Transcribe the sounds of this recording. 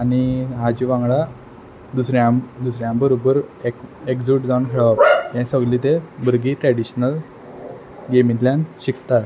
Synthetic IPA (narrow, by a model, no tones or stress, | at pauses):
añiɦad͡ʑiʋãŋɡɭa | d̪usɾjãd̪usɾjãbəɾobəɾekekd͡zuʈd͡zaũnkʰeɭapjɛ̃səɡliːt̪ebəɾɡiːʈɾɛɽiɕnəl | ɡemid̪ljãnɕikt̪aɾ